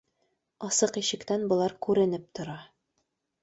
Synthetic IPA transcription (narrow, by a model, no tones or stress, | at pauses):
ɒsɤqiɕɘ̆kt̪ænbŏlˠɑɾkʉɾɘ̆nɘp̚t̪ŏɾɑ